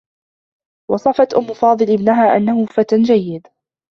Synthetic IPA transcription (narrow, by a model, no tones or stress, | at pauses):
wɑsˤɑfɑt̪ʔʊmːʊfɑːðˤɨlʔɪbnaɦaːʔa̰nːahʊːfat̪ad͡ʒajːɪd̪